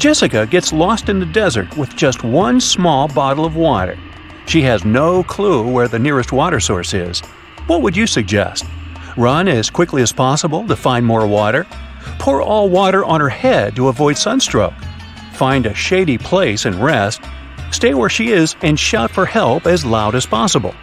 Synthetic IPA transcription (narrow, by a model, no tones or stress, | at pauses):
d̥ʒ̥ɛsɨkɨɡɛtslɔstɨ̃nðɨdɛzə̰˞t̚wɨðd͡ʒʌst̚wʌ̃nsmɔlˠbɑɾl̩ˠʌvwɔɾə̰˞ | ʃiɨznoʊkʰl̥uwə˞ðɨnɪɹɨst̚wɔɾə˞sɔɹsɪ̰z̥ | wʌt̚wəd͡ʒɨsɨɡ̚d͡ʒɛ̰st̚ɹʌ̃nɨz̥kʰw̥ɪkliɨz̥pʰɑsəbl̩ˠtɨfãɪ̃nmɔɹwɔɾə˞ | pʰʊɹɔlˠwɔɾə˞ʔə̃nə˞hɛd̚təəvɔɪd̥sʌ̃nstɹ̥oʊk | fãɪ̃ndɨʃeɪɾipʰl̥eɪsɨ̃nɹɛst | steɪwə˞ʃiɪzɨ̃nʃaʊtfə˞hɛlˠpɨzlaʊɾɨz̥pʰɑsəbl̩ˠ